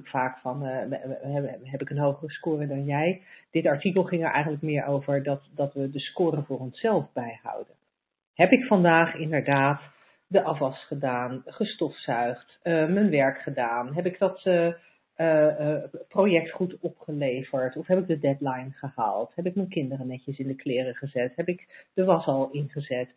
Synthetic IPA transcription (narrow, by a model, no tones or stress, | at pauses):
kfaːkfɑn | ɛɦɛpɪkənɦowχərəskʊːrədɑnjɛjd̥ɪtɑɹtikəlˠχɪŋəɹʔɛ̰jχəntlək̚mɪːɹʔowvəɹdɑtdɑtʋədəskʊːɾənvʊːɹɔnsɛlˠvbɛjhɑ̰wdə | ɦɛpɪkfɑndaːχɪndəɹdaːt | dəʔɑfɑsχədaːnχəstɔfsœɥχtmənʋɛɹkχədaːnɦɛpɪɡdɑt | prowjɛk̚tχutɔpχəlejvəɹtɔfɦɛpɪɡ̚dədɛdlajnχəha̰ːlˠtɦɛpɪk̚mənkɪndərənɛcəsɪndəklɪːrəχəzɛtɦɛpɪkd̥əʋɑsɑlˠɪnχəzɛt